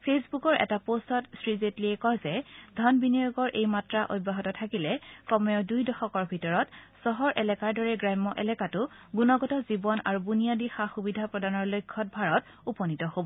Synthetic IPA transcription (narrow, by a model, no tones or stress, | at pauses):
pʰesbukɔɹʔɛ̰tapostɔtsɹizetliɛkɔɹzɛdʱɔnbiniɔɡɔɹʔejmatɹaʔojbːaɦɔtɔtʰakilɛkɔmɔjɔdujdɔxɔkɔɹbʱitɔɹɔt | sɔɦɔɹʔɛlɛkaɹdɔɹɛɡɹajmːɔʔɛlɛkatʊɡunɔɡɔtɔzibɔna̰ɹubunijadixaxubidʱapɹɔdanɔɹlojkʰːɔt̚bʱaɹɔt | upɔnitɔhobɔ